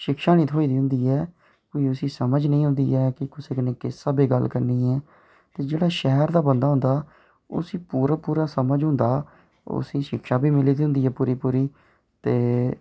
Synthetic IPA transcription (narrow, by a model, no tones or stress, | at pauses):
ʃɪkʃaːnĩːt̪ʰɦoːiːd̪iːɦʊ̃nd̪iːɛː | koːiːʊsiːsəməd͡ʒnə̃ĩːɦʊ̃nd̪ḭːɛːkɪkɪseːkəneːkɪsːaːbiːɡəlkəɾniːɛː | t̪eːd͡ʒeːɽaːʃɛɦɾd̪aːbənd̪aːɦʊ̃nd̪aː | ʊ̰sĩːpuːɾaːpuːɾaːsəməd͡ʒɦʊ̃nd̪aː | ʊ̰sĩːʃɪkʰʃaːbiːmɪliːd̪iːʊ̃nd̪iːɦɛːpuːɾiːpuːɾiː | t̪eː